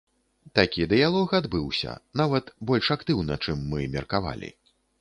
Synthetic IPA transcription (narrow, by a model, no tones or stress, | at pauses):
t̪akʲid̪ɨjalˠɔxad̪bɨwsʲɐ̰navɐt̪bɔlʲʂakt̪ɨwnɐt͡ʂɨmːɨmʲɛrkava̰lʲḭ